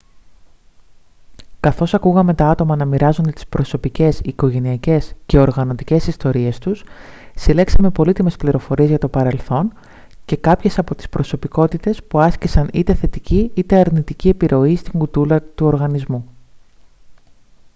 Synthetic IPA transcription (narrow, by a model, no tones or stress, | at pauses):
kɐθo̞sɐkuɣɐme̞t̪ɐɐt̪o̞mɐnɐmiɾɐzo̞nd̪e̞t̪i̥spɾo̞so̞pice̞siko̞ʝe̞niɐce̞sce̞o̞ɾɣɐno̞t̪ice̞sist̪o̞ɾie̞st̪us | sile̞ksɐme̞po̞lit̪ime̞spliɾo̞fo̞ɾie̞zʝɐt̪o̞pɐɾe̞lθo̞n | ce̞kɐpçe̞sɐpo̞t̪i̥spɾo̞so̞piko̞t̪it̪e̞spuɐscisɐnit̪e̞θe̞t̪iciit̪e̞ɐɾnit̪icie̞piɾʔo̞ist̪iŋɡut̪ulɐt̪uo̞ɾɣɐnizmu